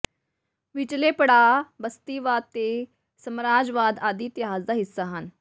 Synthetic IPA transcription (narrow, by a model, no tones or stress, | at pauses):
ʋɪt͡ʃleːpəɽaːbəst̪iːʋaːd̪̚t̪eː | səmɾaːd͡ʒʋaːd̪aːd̪iːt̪ɪaːzd̪aːɦɪsːaːɦən